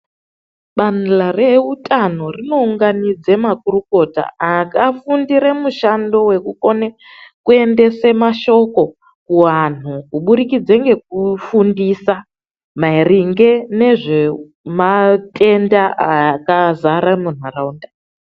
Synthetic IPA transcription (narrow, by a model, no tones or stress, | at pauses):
ɓanlare̞utʼano̞rino̞uŋɡanid͡zemakuruko̞ta̰akafundiɾemuʃando̞we̞kuko̞ne | kue̞nde̞se̞maʃo̞ko̞ | kuwan̤ukuɓuɾikid͡zeŋɡe̞k̚ufundisa | mairiŋɡe̞ne̞ʐe̞ | matʰʼe̞ndaakazaɾamun̤araunda